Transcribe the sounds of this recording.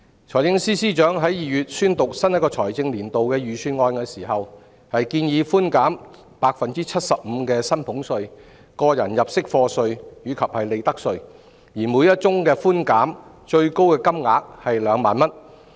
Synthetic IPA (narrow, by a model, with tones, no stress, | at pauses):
t͡ʃʰɔː˨˩jt͡sɪ˧ŋsiː˥siː˥t͡ʃœː˨˥ŋɦɐ˨˥jjiː˨jyː˨t̚syː˥nt̪ʊ˨k̚sɐ˥njɐ˥t̚kːɔː˧t͡sʰɔː˨˩jt͡sɪ˧ŋliː˨˩nt̪o˨wkɛː˧jyː˨˧syː˧nŋɔː˧nkɛː˧siː˨˩ɦɐ˨w | hɐ˨jkiː˧njiː˨˧fuː˥nkaː˨˥m | paː˧k̚fɐ˨nt͡siː˥t͡sʰɐ˥t̚sɐ˨p̚m̩ː˨˧kɛː˧sɐ˥npʰʊ˨˥ŋsɵ˧ɥ | kɔː˧jɐ̰˨˩njɐ˨p̚sɪ˥k̚fɔː˧sɵ˧ɥjyː˨˥kʰɐ˨p̚hɐ˨jle˨jt̪ɐ˥k̚sɵ˧ɥ | jiː˨˩muː˨˧˥jɐ˥t̚t͡sʊ˥ŋkɛː˧fuː˥nkaː˨˥m | t͡ʃɵ˧ɥko˥wkɛː˧kɐ˥mŋaː˨˧k̚hɐ˨jlœː˨˧ŋmaː˨nmɐ˥n